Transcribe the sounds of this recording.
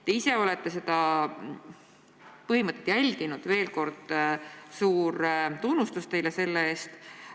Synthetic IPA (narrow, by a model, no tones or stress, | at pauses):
t̪e̞ise̞o̞let̪ˑːe̞se̞d̪̥ɑ | pɤɦimɤt̪ːˑet̪jælʲɡ̥inud̪̥ve̞ːlko̞rd̪̥suːɾt̪unːust̪ust̪e̞jlese̞lːeeːst̪